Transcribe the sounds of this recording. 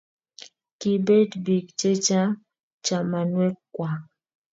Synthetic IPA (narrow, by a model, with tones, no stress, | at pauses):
ki˨be˦dbi˨kt͡ʃe˦t͡ʃa˦ | t͡ʃa˨ma˨nwɛ˦kwa˨